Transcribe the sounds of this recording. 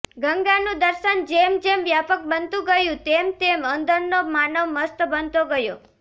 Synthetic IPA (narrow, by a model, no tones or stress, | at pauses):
ɡəŋɡanũd̪əɾʃənd͡ʒemd͡ʒemʋjapək̚bənt̪ũɡəjũt̪emt̪emənd̪əɾnomanəʋməst̪bənt̪oɡəjo